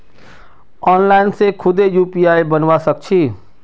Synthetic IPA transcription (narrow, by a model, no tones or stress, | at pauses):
ɔːnlaːɪnsekʰʊd̪ejuːpijaːibənʋasək̚t͡ʃʰiː